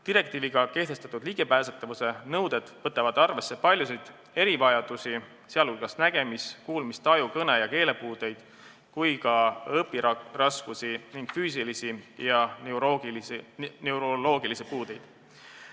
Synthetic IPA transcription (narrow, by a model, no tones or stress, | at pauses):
t̪iɾe̞k̚t̪iːviɡ̥ɑke̞ht̪e̞st̪ɑt̪ud̪̥liɡ̥e̞pæːset̪ːˑɑvuse̞nɤwd̪̥e̞d̪̥vɤt̪ːˑɑvɑd̪̥ɑrve̞sːe̞pɑlʲjusid̪̥ | e̞ɾivɑjɑd̪̥usi | seɑlkulkɑsnæɡ̥e̞miskuːlmist̪eɑjukɤne̞jɑke̞ːle̞puːd̪̥e̞jd̪̥ | kujkɑɤpːirɑskusiniŋɡ̥fyːs̬ilisijɑɡ | newɾolo̞ːɡ̥ilisipuːd̪e̞jd̪̥